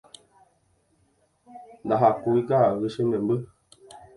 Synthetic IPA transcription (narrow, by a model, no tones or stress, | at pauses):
ndaɦakuikaɣəʃəɲəmbə